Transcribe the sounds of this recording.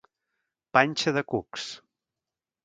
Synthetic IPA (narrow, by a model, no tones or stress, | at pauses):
panʲt͡ʃəðəkuks